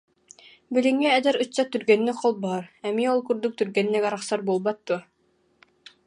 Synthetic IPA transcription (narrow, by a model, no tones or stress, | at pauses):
biliŋːɛːd̪ɛɾɯt͡ɕːat̪yɾɡɛnːikqɔlˠbaɦaɾɛmiɔlˠkyɾd̪uk̚t̪yɾɡɛnːɛkaɾaχsaɾbuːlˠbat̪̚d̪uɔ